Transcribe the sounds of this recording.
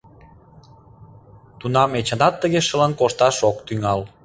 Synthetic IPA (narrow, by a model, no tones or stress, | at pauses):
t̪unɑmet͡ɕə̆nɑt̪ːəɣeʃəlɑnkoʃt̪ɑʃokt̪yŋɑl